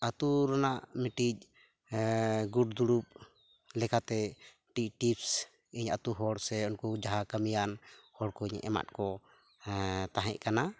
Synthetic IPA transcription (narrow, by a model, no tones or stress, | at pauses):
at̪uɾanaʔmiʈic̚ | ɡuɖd̪uɽɾup̚ | lɛkat̪ɛ | ʈicʈips | iɲa̰t̪uɦɔɽsɛɔnkud͡ʒaɦakəmijanhɔɽkɔiɲʔɛ̰ma̰t̪̚kɔ | t̪aɦɛ̰ʔ̚kana